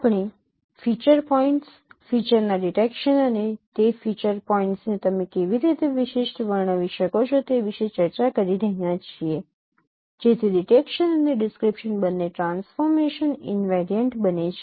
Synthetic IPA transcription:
pɳ̃i | fit͡ʃəɾpɔĩɳʈs | fit͡ʃəɾnaɖiʈekʃənənet̪efit͡ʃəɾpɔiɳʈsnet̪əmekeʋiɾit̪eʋiʃeʃʈʋəɾɳ̃əʋiʃəkot͡ʃʰot̪eʋiʃet͡ʃəɾt͡ʃakəɾiɾəɦijãt͡ʃʰie | d͡ʒet̪ʰiɖiʈekʃənəneɖɪskɾipʃənbənːeʈɾãnsfɔɾmeʃənɪ̰nʋeɾiəɳʈbənet͡ʃʰe

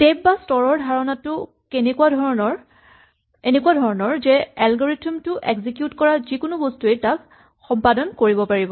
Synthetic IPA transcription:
tejb̚bastɔɹɔɹdʱaɹɔnatʊ | kenekuwadʱɔɹnɔɹ | enekuwadʱɔɹɔnɔɹzɛalɡɔɹitʰumtʊʔeɡzikjutkɔɹazikʊnʊbɔstuejtak | xɔmpadɔnkoɹibɔpaɹibɔ

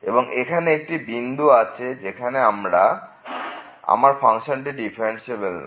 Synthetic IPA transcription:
eboŋekʰaneek̚ʈibind̪ʱuat͡ɕʰed͡ʑekʰaneamɾa | a̰maɾfʰaŋʃonʈiɖifʰaɾenʃebelna̰

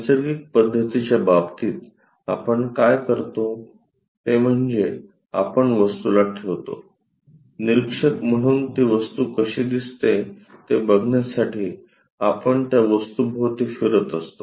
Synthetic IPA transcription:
səɾɡik̚pəd̪ʱːət̪it͡ɕjababt̪iːt̪ | a̰pəɳkajkəɾt̪o | t̪em̤əɳd͡ze | a̰pəɳʋəst̪ulaʈʰeʋt̪o̰ | niɾikʂəkm̤əɽ̃uːnt̪iʋəst̪uːkəɕiːd̪ist̪et̪ebəɡɳjasaʈiː | apəɳt̪jaʋəst̪ubʱoʋt̪iːfiɾət̪əst̪o

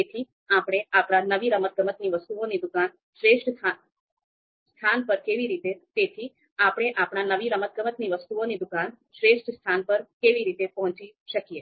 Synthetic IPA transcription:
t̪et̪ʰi | apɽ̃eapɽ̃anəʋiɾəmət̪̚ɡəmət̪niʋəst̪uonid̪ukan | ʃɾeʃʈʰa | st̪ʰanpəɾkeʋiɾit̪et̪et̪ʰi | apɽ̃eʔapɳ̃anəʋiɾəmət̪̚ɡəmət̪niʋəst̪uonid̪ukan | ʃɾeʃʈst̪ʰanpəɾkeʋiɾit̪epɔɦɔ̃t͡ʃiʃəkije

